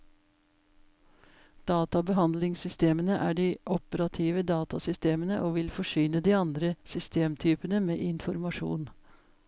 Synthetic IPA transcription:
d̪̥ɑːt̪ɑbəɦɑnd̪lɪŋsʏst̪eːmənəʔæːɖiːʔɔpəɾɑt̪ʰiːʋəd̪ɑːt̪ɑsʏst̪eːmənəʔoːʋɪlfɔʂyːnəd̪iːɑnd̪ɾəsʏst̪eːmt̪ʰyːpənəmeːʔɪnfɔɾmɑʂṵːn

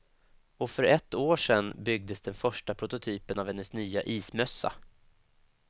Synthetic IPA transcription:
ɔfœɾɛt̪ːoːʂɛnːbʏɡ̚d̪əsd̪ɛnfœʂʈapʰɾʊt̪ʊt̪ʰyːpənavhɛnːəsnyːaʔiːsmœsːa̰

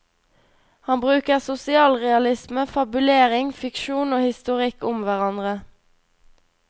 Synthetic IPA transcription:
hɑnbʁʉːkəʁsʊsɪɑːlʁɛɑlɪsməfɑbʉleːʁɪŋfɪkʃuːnoːhɪst̪ʊʁɪkʊmʋæʁɑnd̪ʁə

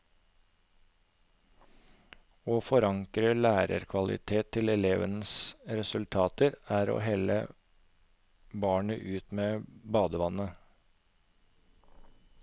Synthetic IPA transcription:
oːfɔɾɑŋkɾəlæːɾə̰ɾkʰʋɑlɪ̰t̪ʰeːt̪ʰːɪlɛleːʋənəsɾɛsʉlt̪ʰɑːt̪əɾæːɾo̰ːɦɛlə̰ | bɑːɳəʔʉːt̪meːbɑːd̪əʋɑnə

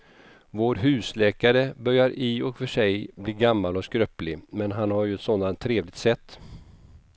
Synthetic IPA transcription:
voːɾɦʉ̟ːslɛːkaɾəbœɾjaɾʔɪɔkfœʂɛjbliːɡamːalɔskɾœplɪmɛnɦanhaɾjɵɛt̪sɔnd̪ant̪ʰːɾeːvlɪɡ̚t̪sɛt̪ː

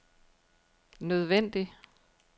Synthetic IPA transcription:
nøð̞ˠʋen̰d̥i

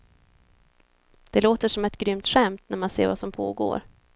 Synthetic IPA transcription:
d̪̥ɛloːt̪əʂɔmɛt̪ɡɾʏmt̪ɧɛmt̪næɾmansḛːɾvasɔmpʰo̰ːɡo̰ːɾ

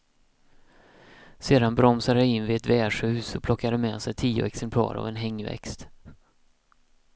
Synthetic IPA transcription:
seːd̪anbɾɔmsad̪əhaɪnːvɪɛt̪vɛːʂhʉ̟ːsɔpʰlɔkːad̪əmɛːsɛjt̪ʰiːʊ̰ɛksɛmpʰlɑ̰ːɾa̰vɛnɦɛŋːvɛ̰kst̪

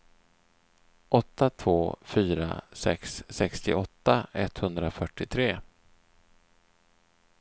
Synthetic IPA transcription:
ʔɔt̪ːat̪ʰvoːfyːɾa̰sɛ̰ksːɛkst̪ɪʔɔt̪ːaɛt̪hɵnd̪ɾafœʈːɪt̪ʰɾeː

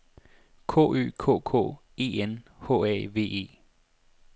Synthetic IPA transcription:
kʰo̰ːy̰ːkʰo̰ːkʰo̰ː | e̝ːenhɔ̰ːɛ̰ːʋe̝̰ːe̝̰ː

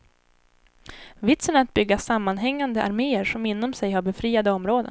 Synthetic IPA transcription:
vɪt̪sənaɾat̪̚bʏɡːasamːanɦɛŋːand̪əʔa̰ɾmeːəɾʂɔmɪnːɔmsɛjhaɾbɛfɾiːad̪əɔmɾoːd̪ə̰

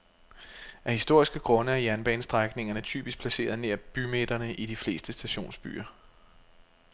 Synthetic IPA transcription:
ʔæhisd̥o̝ɐ̰isɡ̥əɡ̥ʁɔ̽nəæɐjænb̥ɛ̰ːnsd̥ʁaɡ̥ne̝ŋɐnət͡sʰy̰ːb̥isɡ̥̚pʰlæse̝̰ːɐðˠne̝ɐb̥ymed̥ɐnəʔid̥ifle̝ːsd̥əsd̥æɕo̝̰ːnsb̥y̰ːɐ

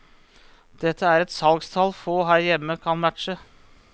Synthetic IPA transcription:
d̪̥ɛt̪ʰːəæːɾɛt̪sɑlɡst̪ʰɑlfoːɦæːɾjɛmːəkʰɑnmæt̪ʃə

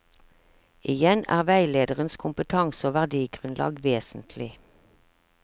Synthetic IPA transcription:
ʔɪjɛnæ̰ːʁʋæɪleːd̪əʁənskʰʊmpət̪ʰɑŋsoːʋæʁd̪iːɡʁʉnlɑ̰ːɡʋeːsn̩t̪ʰlɪ

